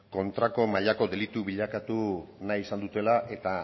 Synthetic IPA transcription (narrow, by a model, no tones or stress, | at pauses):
ko̞nt̪ɾako̞maʎako̞d̪e̞lit̪uβiʎakat̪unajisand̪ut̪e̞laʔe̞t̪a